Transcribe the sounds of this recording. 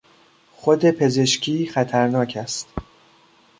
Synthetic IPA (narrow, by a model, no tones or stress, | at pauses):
xod̪e̞pʰe̞ze̞ʃcʰiːxæt̪ʰæɾnɒːcʰæst̪